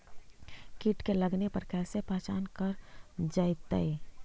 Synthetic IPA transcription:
kiʈkeləɡnepəɾkɛːlsepaːt͡ʃaːnkəɾd͡ʒaːɪt̪əi

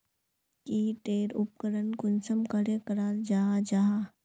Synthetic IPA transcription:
kiʈeːɾʊp̚kəɾənkʊnsəmkəɾekəɾaːld͡ʒaːd͡ʒaa

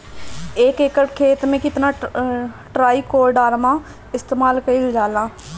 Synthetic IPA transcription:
ɪkɪkkʰeːt̪mẽːkɪt̪nãː | ʈɾaːiːkoːɾɖaːɾmãː | ɪst̪eːmaːlkəiːod͡ʒaːlaː

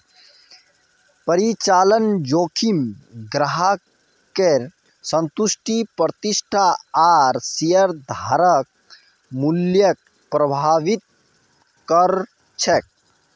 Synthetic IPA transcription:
pəɾit͡ʃaːlənd͡ʒoːkʰimɡɾaɦa | keɾ | sə̃nt̪usʈʰipɾət̪isʈʰaaɾsijəɾd̪ʱaːɾək̚ | muljək̚ | pɾəbʱaːʋit̪̚ | kəɾ | t͡ʃʰek̚

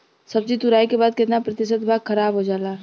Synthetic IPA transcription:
sɐb̚d͡ʒit̪ʊɾaːikebaːd̪̚kɪt̪napɾɐt̪ɪʃət̪bʱaːɡxʰɐɾaːbɦod͡ʒaːlaː

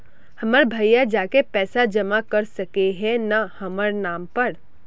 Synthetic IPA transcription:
hɐməɾbʱɐjjad͡ʒaːkepɛːsad͡ʒɐmakɐɾsɐkeɦɛ̃nahɐməɾnaːmpɐɾ

